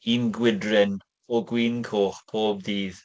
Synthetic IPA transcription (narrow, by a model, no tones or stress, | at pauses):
iːnɡwɪdrɪn | ɔɡwiːnkʰoːχpʰoːbðiːð